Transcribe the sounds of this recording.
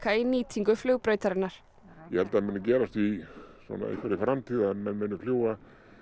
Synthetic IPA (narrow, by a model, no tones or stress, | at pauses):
kʰainiːt̪ʰiŋkʏflœːɣpɾœːjt̪aɾɪnːaɾ̥ | jɛhɛlt̪aðmɪnːacɛːɾast̪isɔ̰na̰ḛhkvaɾifɾamt̪ʰiːðamɛnmenʏfl̥juːwa